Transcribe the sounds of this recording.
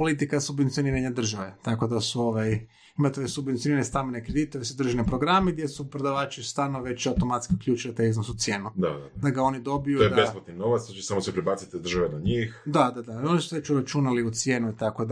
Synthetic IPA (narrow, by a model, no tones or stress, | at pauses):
po̞lit̪ikasubʋent̪ioniɾaɲad̪r̩ʒaʋe̞t̪ako̞d̪asuo̞ʋaj | imat̪oʋesubent̪ioniɾanest̪amenekɾed̪it̪oʋesud̪ɾ̩ʒinepɾo̞ɡɾameɡd̪ʲjesupɾed̪aʋaːt͡ʃist̪aːlnoʋe̞t͡ʃawt̪o̞mat̪skiukʎʲuːt͡ʃilit̪ajiznosut̪sʲje̞ːnud̪a̰d̪ad̪aɡao̞nid̪o̞bijuojed̪aespot̪nino̞ʋat̪st̪ot͡ʃesamosepɾibat̪sit̪id̪r̩ʒaʋenaɲixd̪ad̪ad̪ao̞nisuʋet͡ʃuɾat͡ʃunaliut̪sje̞ːnuit̪ako̞d̪